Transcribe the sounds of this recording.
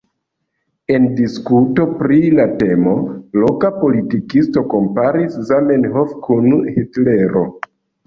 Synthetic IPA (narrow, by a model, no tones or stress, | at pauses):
e̞ndiskuto̞pɾilate̞mo̞lo̞kapo̞litikisto̞ko̞mpaɾiszame̞nɦofkʰunhitle̞ɾo̞